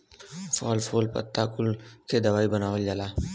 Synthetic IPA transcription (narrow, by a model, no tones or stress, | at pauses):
fɔːlfʰoːlpə̰t̪ːakʊlkʰed̪ɐʋaːibənaːʋəld͡ʒalaː